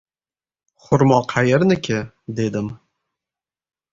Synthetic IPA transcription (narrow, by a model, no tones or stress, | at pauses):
χʊɾmɒqʰɑjɪɾnɪkʲʰɪ | d̪e̞d̪ɪm